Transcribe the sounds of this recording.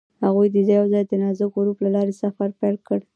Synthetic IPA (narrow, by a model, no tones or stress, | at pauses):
haɣujd̪əd̪əjawzɑjd̪ənɑzʊɡɡɾuplalɑɾesafaɾpalkəɽ